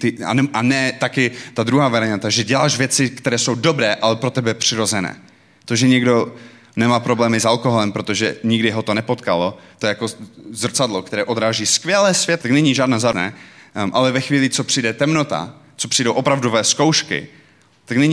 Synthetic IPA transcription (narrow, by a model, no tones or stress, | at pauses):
t̪ɪa̰nɛʔanɛt̪akɪt̪ad̪ɾuɦaːvɛɾɛɲat̪aʒɛɟɛlaːʃvjɛt͡sɪkt̪ɛɾɛːso̞wdobɾɛːʔalɛpɾo̞t̪ɛbɛpr̝̥ɪɾo̞zɛnɛ̰ː | t̪o̞ʒɛɲɛɡdo̞ | nɛmaːpɾo̞blɛːmɪsalkoɦolɛmpɾo̞t̪oʒɛɲɪɡdɪɦot̪onɛpot̪kalo̞t̪ojɛjakozrt͡sadlokt̪ɛɾɛːʔo̞d̪ɾaːʒiːskvjɛlɛːsv̥jɛt̪̚t̪aknɛɲiʒaːdnaːzanɛ̰ːʔalɛvɛxviːlɪt͡so̞pr̥ijdɛt̪ɛmno̞t̪a̰ | t͡sopr̥ijdowʔopɾavdovɛːsko̞wʃkɪ̰ | t̪aknɛɲ